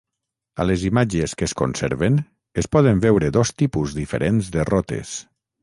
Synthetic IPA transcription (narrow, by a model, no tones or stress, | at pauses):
a̰lezimad͡ʒeskesko̰nsḛɾβen | espɔð̞embɛwɾeðɔst̪ipuzðifeɾʔenzd̪erɔt̪ḛs